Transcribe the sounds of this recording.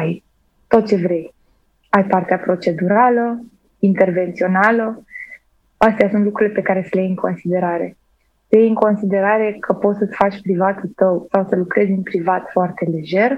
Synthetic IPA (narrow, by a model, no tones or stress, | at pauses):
aj | t̪o̞t̪̚t͡ʃe̞vɾe̞j | ajpart̪eapɾo̞t͡ʃe̞d̪uɾalə | int̪e̞rve̞nt̪sio̞nalə | əst̪ejasunt̪lukɾule̞pe̞kaɾe̞səlejejɨŋkʰo̞nsid̪e̞ɾaɾe̞ | səjejɨŋko̞nsid̪e̞ɾaɾe̞kʰəpo̞t̪sət̪sʲfat͡ʃʲpɾivat̪ult̪əwsawsəlukɾe̞zʲɨnpɾivat̪foart̪e̞led͡ʒe̞r